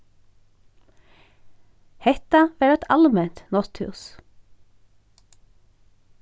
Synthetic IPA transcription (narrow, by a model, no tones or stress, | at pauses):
hɛt̪ɑʋeːɛt̪ʰɑlmɛnt̪nɔst̪hʉ̰ːs